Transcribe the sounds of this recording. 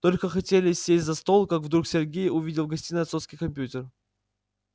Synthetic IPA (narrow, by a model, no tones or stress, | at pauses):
t̪o̞lʲkəxɐtʲelʲɪsʲsːʲesʲtʲzɐst̪o̞lˠkakvd̪ɾuksʲerɡʲejʊvʲidʲɪlˠɡɐsʲtʲinɨɐt̪sofskʲijkɐmʲpʲjutʲɪr